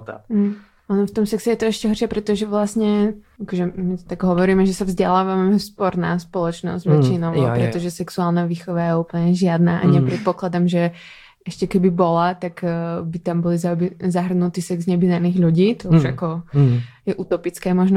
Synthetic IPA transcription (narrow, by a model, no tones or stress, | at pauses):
mɦ̩ | ʔɔnɔft̪ɔmsɛksɛjɛt̪ɔɛʃcɛɦɔrʃɛpɾɛt̪ɔʒɛʋlasɲɛakɔʒɛmit̪t̪aɡɦɔʋɔɾiːmɛʒɛsavzɟɛlaːʋamɛɛspɔɾna̰ːspɔlɔt͡ʃnɔ̰zɟʋɛt͡ʃinɔʊpɾɛt̪ɔʒɛsɛksuaːlˠnaʋiːxɔʋajɛupl̩ɲɛʒɪad̪naːʔaɲɛpɾɛt̪̚pɔklad̪amʒɛ | ɛʃcɛkɛbibɔlat̪aɡbit̪ambɔlizabzaɦr̩nut̪iːsɛɡzɲɛbinaɾniːɣʎuɟiːt̪ɔuʒa̰kɔ | jɛʔut̪ɔpit͡skɛːmɔʒnɔ